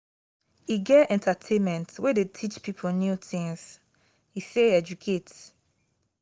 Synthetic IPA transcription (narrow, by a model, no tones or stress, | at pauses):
iɡɛɛ̃ntʰatʰẽnmɛ̃ntwedetʰit͡ʃpipʰonjutĩŋs | hiseɛd͡ʒukʰet